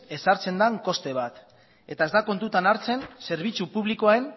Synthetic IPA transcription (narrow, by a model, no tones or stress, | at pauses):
e̞saɾt͡se̞nd̪aŋko̞st̪e̞β̞at̪ | e̞t̪ae̞zd̪ako̞nt̪ut̪anaɾt͡se̞nse̞ɾβ̞it͡supuβ̞likoaen